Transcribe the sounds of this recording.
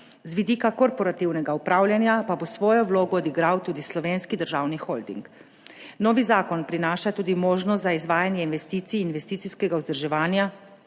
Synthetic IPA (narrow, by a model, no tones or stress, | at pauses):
zʋid̪iːkakɔɾpɔɾat̪iwnɛɡaupɾaːwlʲjanjapabosʋɔːjɔʋloːɡɔːd̪iɡɾawt̪uːd̪islɔʋeːnskid̪əɾʒaːwnixɔːld̪ḭŋk | nɔːʋizaːkɔnpɾinaːʃat̪uːd̪imoːʒnɔst̪zaizʋaːjanjɛinʋɛst̪iːt̪siːnʋɛst̪iːt̪siskɛɡauzd̪əɾʒɛʋaːnja